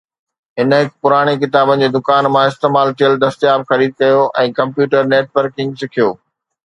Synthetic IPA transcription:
ɦɪnɦɪkpʊɾaːɽ̃ikɪt̪aːbənɪ̆d͡ʑeːd̪ʊkaːnmãɪst̪eːmaːlt̪ʰijəld̪ɐst̪jaːbxɐɾiːd̪̚kɐjoʔɛ̃ːkɐ̃mpjuːʈəɾneːʈʋəɾkɪ̃ŋɡsɪkʰijoː

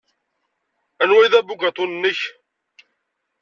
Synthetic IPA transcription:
ænwæjðæbuɡæt̪ˤonənːəç

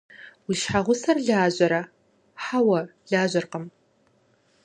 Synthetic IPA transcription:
wiʃħaʁʷʊsɐrɮaːʑʼɐɾɐ | ħawɐɮaːʑɐrqəm

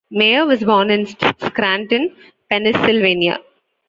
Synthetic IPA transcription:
meːəʋɔzbɔːnɪ̃nsskɾæ̃ːɳʈɪ̃n | pɛnɪsɪlʋẽːnia̰

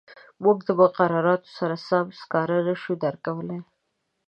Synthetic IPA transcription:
muɡd̪əmʊqaɾɑɾɑt̪o̥saɾasamskɑɾanaʃud̪aɾkawəle

